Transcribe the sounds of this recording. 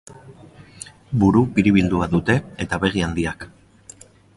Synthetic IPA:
buɾupiɾiβ̞ild̪uaðut̪e̞et̪aβe̞ɣ̞iand̪iak

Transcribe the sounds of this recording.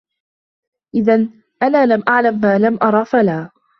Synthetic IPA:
ʔɪðan | ʔanaːlamʔaʕlamːaːlamʔɑɾˤɑːfalaː

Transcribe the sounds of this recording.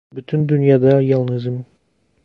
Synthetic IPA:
byt̪ʰynd̪ynjɑd̪ɑjɑlˠnɯzɯm

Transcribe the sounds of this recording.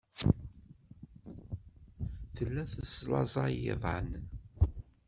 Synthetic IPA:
θəlːæθəslɑ̰zˤɑjɪ̰ðˤə̰n

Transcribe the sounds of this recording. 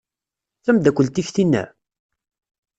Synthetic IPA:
θæmd̪ækʷːəlt̪içθinːæ̰

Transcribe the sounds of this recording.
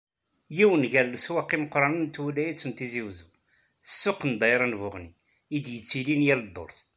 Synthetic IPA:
jiwənʝæɾləswæqːiməqːɾˤɑnənt̪ulæjit͡sːənt̪iziwzu | əsːʊqːnd̪ˤɑjɾˤɑnvʊʁni | id̪jət͡sːilinjæld̪ˤːo̰ɾθ

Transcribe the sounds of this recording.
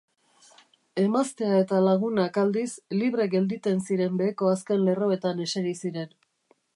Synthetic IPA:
e̞mast̪e̞ae̞t̪alaɣunakald̪isliβ̞ɾe̞ɡe̞ld̪it̪e̞nsiɾe̞mbe̞ːko̞aske̞nle̞ro̞e̞t̪ane̞saɾisiɾe̞n

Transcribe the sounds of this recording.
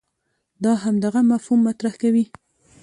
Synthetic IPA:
d̪ɑɦamd̪aɣamafhumːat̪ɾahkawi

